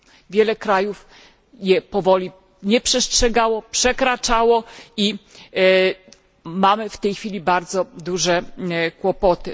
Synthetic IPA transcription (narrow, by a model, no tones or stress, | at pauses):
vʲjɛlɛkɾajuf | jɛpɔvɔlʲi | ɲɛpʂɛstʂɛɡawɔpʂɛkɾat͡ʂawɔi | mamɘft̪ɛjxfʲilʲibaɾd̪zɔd̪uʐɛkwɔpɔt̪ɘ